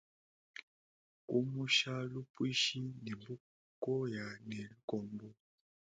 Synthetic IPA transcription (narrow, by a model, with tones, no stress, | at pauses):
ku˦mu˦ʃa˦lu˦pwi˦ʃi˦ne˨mbu˦ | kɔ˦ja˨ne˨li˦kɔ˨mbɔ˦